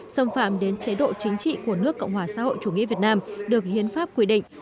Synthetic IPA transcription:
sə˧˩mfaː˧˩mɗe˨˦nt͡ɕe˨˦ɗo̰˧˨t͡ɕï˨˦ŋ̟t͡ɕḭ˧˨ku˧˩ənɨ˦˥əkːɔ̰˧˨wŋ͡mhwaː˧˩sa̰ː˧˥ho̰˧˨jt͡ɕu˧˩ŋḭ˧˥vət̚naː˧mɗɨ˨˩ək̚hḭ˧˨ənfaː˦˥p̚kwi˧ɗḭ˧˨ŋ̟

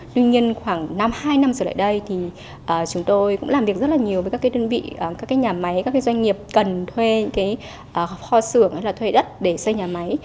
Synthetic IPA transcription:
t̪i˧ɲi˧ənxwaː˧˩ŋna˧mhaː˧jna˧mzəː˨˧˩la̰ː˧˨jɗə˧jt̪ʰi˨˩ | ʔəː˨˩t͡ɕʊ˨˦ŋ͡mt̪o˧jkʊ̰˧˥ŋ͡mlaː˨˩mvi˨˩ək̚zt̚laː˨˩ɲi˨˩əwvəː˨˦ka˦˥kːtwə˧nvḭː˧˨˩kaː˦˥kːaː˨˦jɲaː˨˩ma˨˦jkaː˦˥kːzwjŋ̟ŋi˨˩əp̚kə˨˩nt̪ʰwe˧ɲɨ̰˧˥ŋkaː˨˦j | ʔəː˨˩xɔ˧sɨ˧˩əŋha˧jlaː˨˩t̪ʰwe˧ɗə˦˥t̚ɗe˧˩sə˧jɲaː˨˩ma˨˦j

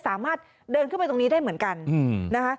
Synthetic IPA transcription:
saː˩˦maː˥˩t̪̚ | dɤː˧nkʰɯ˥˩pajt̪o˧ni˦˥daː˥˩jmɯ˩˦ənka˧nː˧na˦˥kʰa˦˥

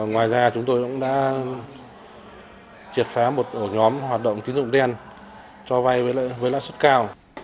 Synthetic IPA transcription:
ŋwaː˨˩jzaː˧t͡ɕʊ˨˦ŋ͡mt̪o˧jkʊ̰˧˥ŋ͡mɗa̰ː˧˥ | t͡ɕi˨˩ət̚faː˨˦mo˨˩t̚ʔo˧˩ɲɔ˨˦mɦwaː˨˩t̚ɗə̰˧˨wŋ͡mt̪i˨˦nzʊ̰˧˨ŋ͡mɗe˧a˧n | t͡ɕɔ˧va˧jvəː˨˦l̰ːvəː˨˦la̰ː˧˨jswə˦˥t̚kaː˧w

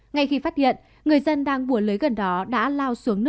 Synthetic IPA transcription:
ŋa˧jxi˧faː˦˥t̚hḭ˧˨ən | ŋɨ˨˩əjzə˧nɗaː˧ŋɓu˧˩ələː˨˦jɣə˨˩nɗɔ˨˦ɗa̰ː˧˥laː˧wsu˨˦əŋnɨ˦˥ək

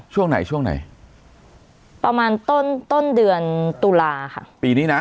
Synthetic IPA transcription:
t͡ɕu˧əŋna˨˩jt͡ɕu˧əŋna̰˨˩j | pa˧maː˧˩nt̪o˧˩nt̪o˧˥ndɨ˨˩ənt̪u˧˩laː˧xa̰˦˥˩pi˨˩ni˧na˨˦

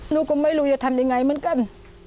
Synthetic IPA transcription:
nu˧˥kʊ˧˦ŋmaː˧˩jlu˧˦jəː˧˩t̪ʰa˧˩nɗi˧˨ŋa˨˧˩jmɨ˧˥˨nka˧˥˩n

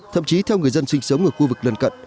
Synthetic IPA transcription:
t̪ʰə̰˧˨mt͡ɕi˨˦t̪ʰɛ˧wŋɨ˨˩əjzə˧nswï˧ŋ̟sə˨˦wŋ͡mʔɨ˨˧˩xu˧vɨ˨˩k̚lə˨˧˩nkə̰˧˨n

